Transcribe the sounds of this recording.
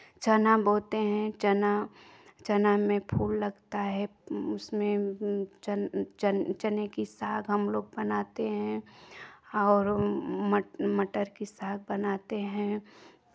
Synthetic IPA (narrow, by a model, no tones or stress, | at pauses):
t͡ʃɐnaboːt̪eɦɛ̃t͡ʃɐna | t͡ʃɐnamẽpʰuːlːɐɡt̪aɦɛʊsmẽt͡ʃt͡ʃt͡ʃənekisaːɡɦəmloːɡ̚bɐnaːt̪eɦɛ̃ | ɔːɾməməʈəɾkisaːɡ̚bənaːt̪eɦɛ̃